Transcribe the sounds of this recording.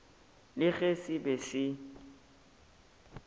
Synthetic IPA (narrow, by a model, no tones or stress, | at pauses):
lɪɣesɪbesɪ